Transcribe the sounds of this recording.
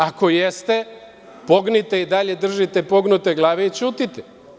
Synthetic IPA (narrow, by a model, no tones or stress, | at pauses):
ako̞jest̪e | po̞ɡnit̪e̞id̪aʎe̞d̪r̩ʒit̪e̞po̞ɡnut̪eɡlˠaːʋeit͡ʃuːt̪it̪e̥